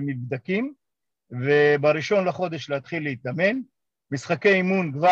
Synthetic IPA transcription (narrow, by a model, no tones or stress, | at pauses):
mibd̪akim | vebaɾiʃo̞nlaχo̞d̪eʃleat̪χilːeit̪ame̞n | misχake̞jimunkva